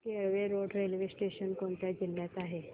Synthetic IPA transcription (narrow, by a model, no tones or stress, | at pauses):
kiəɭʋeɾoɖɾelʋesʈeɕənkoɳt̪jad͡ʑilːjat̪aɦe